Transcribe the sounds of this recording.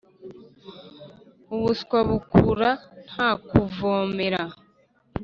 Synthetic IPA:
uβuskwaβukuɾan̥haːkuvoːme̞ɾa

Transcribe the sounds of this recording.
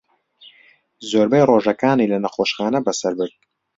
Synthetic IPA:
zoːɾbɛjroʒɐkaːniːlɐnɐxoːʃxaːnɐbɐsɐɾbɨɾt̪̚

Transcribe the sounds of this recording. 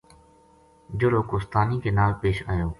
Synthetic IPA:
d͡ʒoːloːkoːst̪aːnĩːkeːnaːlpeːʃaːjoː

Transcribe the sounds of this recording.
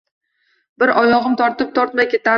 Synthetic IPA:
bɪɾɒjɒʁɨmt̪ʰɒɾt̪ɪp̚t̪ʰɒɾt̪makʲet̪a

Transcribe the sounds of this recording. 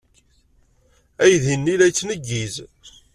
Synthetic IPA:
æjðinːilæjt͡sːnəɡːiz

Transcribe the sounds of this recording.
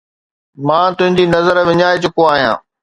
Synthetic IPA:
mãːt̪ʊ̃ɦɪ̃ɲd͡ʑinɐzəɾʋɪɲaːet͡ɕʊkoaːɦijã̰ː

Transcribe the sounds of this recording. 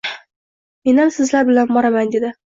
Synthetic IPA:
me̞namsɪzlaɾbɪlanbɒɾamand̪ed̪ɪ

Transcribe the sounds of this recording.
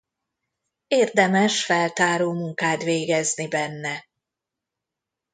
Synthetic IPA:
eːrd̪ɛmɛʃfɛlt̪aːɾoːmuŋkaːt̪veːɡɛznibɛnːɛ

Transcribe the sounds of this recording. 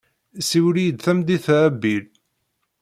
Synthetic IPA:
siwlijəd̪θæmd̪iθæbːil

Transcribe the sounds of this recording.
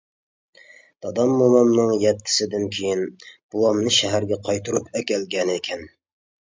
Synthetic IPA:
d̪̥ɑd̪ɑmːomɑmnɨŋjɛt̪ʰːɪ̥sɪd̪ɪnkʲʰejinb̥uwɑmnɨʃɛɦæɾɡʲɛqʰɑjt̪ʰuɾupɛkʲɛlɡʲɛnɪekʲʰɛn

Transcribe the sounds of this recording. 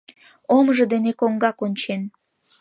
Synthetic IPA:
omʒɤ̆d̪enekoŋɡɑkonʲt͡ɕen

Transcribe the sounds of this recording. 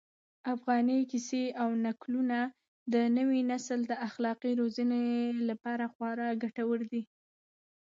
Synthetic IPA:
afɣɑnikiseawnakluna | d̪ənəwinasəld̪əaxlɑqiɾozənelapɑɾaxwɑɾɑɡaʈawəɾd̪i

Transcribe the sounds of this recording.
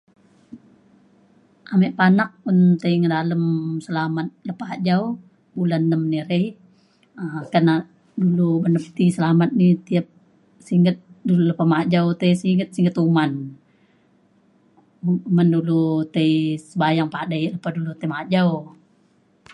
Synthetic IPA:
ʔamɛʔpanak̚ʊnt̪əiŋədaləmsəlamat̪̚ləpad͡ʒaw | bulanːəmniɾej | əkana | dulubənəp̚t̪isəlamat̪̚nit̪iap̚ | siŋət̪̚dululəpamad͡ʒawt̪əjsiŋɡət̪̚siŋɡət̪uman | umandulut̪ejsəbajaŋpadajləpahdulut̪əjmad͡ʒau

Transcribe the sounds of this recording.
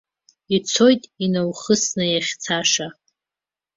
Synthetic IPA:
it͡sʰo̞jtʼinawχəsnɨjaχʲt͡sʰaʂa

